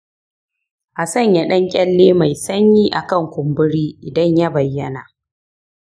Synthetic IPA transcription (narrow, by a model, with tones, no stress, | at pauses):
ʔa˨sɐ˦˨ɲja˨ɗɐ˦ŋkʲʼɛ˦lːeː˦ma˨jsɐ˦ɲjiː˦ʔa˨kɐ˦˨ŋkʷʊ˨mbʊ˦ɽiː˦ʔɪ˨dɐ˦ɲja˦bɐ˨jːɐ˦na˨ʔ